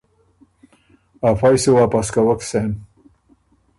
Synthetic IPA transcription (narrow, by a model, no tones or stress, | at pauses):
afajsiwapaskawaksen